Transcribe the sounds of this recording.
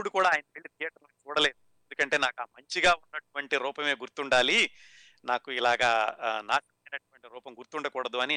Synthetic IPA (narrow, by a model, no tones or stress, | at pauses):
uɽukuːɽaːjɐnɐʋeɭːit̪ijaːʈɾɐnikit͡ʃuːɽɐle̞ːd̪uend̪ukɐɳʈe̞ːnaːkaːmɐɲt͡ʃiɡaːunːɐʈuʋɐɳʈiɾuːpɐme̞ːɡuɾt̪uɳɖaːli | naːkuilaːɡaːna̰ːʃɐmɐjnɐʈuʋɐɳʈiɾuːpɐmɡuɾt̪uɳɖɐkuːɽɐd̪uɐni